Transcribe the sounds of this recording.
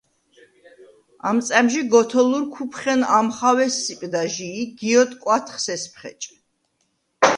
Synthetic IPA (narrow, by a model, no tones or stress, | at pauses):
a̰mt̪sʼɛmʃiɡɔt̪ʰɔluɾkʰupʰχɛnamχawɛsːipʼd̪aʒiːɡiɔt̪ʼkʼwat̪ʰχsɛspʰχɛ̰t͡ʃʼ